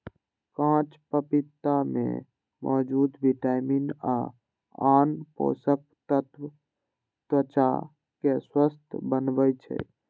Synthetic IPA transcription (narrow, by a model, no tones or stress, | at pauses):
kãt͡ʃpəpit̪ːamḛ | mʔɔ̰ːd͡ʒud̪biʈajmina̰ | anpo̰sək̚t̪ət̪ | t̪ət͡ʃa̰ | keswəst̪ʰbənbəjt͡ʃʰɛ̰